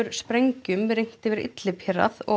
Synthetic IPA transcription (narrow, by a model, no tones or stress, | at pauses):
ʏɾ̥spɾejɲcʏmɾejŋ̥t̪ɪvɪɾɪ̰t̪lɪpʰɪɾa̰θɔ